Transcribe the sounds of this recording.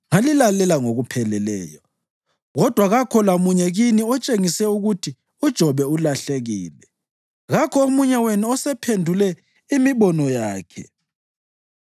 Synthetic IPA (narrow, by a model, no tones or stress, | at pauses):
ŋalilalɛlaŋoɣupʰɛlɛlɛ̰ːjɔ | ɣɔd̥ʱwaɣakʰɔlamuɲɛɣiniɔt͡ʃʼeŋisɛuɣutʰi | ud̥ʒ̥ʱɔβɛulaɬeɣiːlɛ | ɣakʰɔomuɲawenuɔsɛpʰendʱulɛ | imiβɔnɔjaːkʰɛ